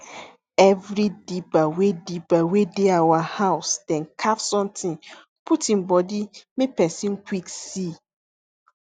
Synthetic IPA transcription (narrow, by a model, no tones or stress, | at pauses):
ɛvɾidibawedibawedeawahaʊsd̥ɛ̃nkʰafsɔ̃mtʰɪ̃n | pʰutĩmbɔdimĩpɛsĩnkʰʷwiksi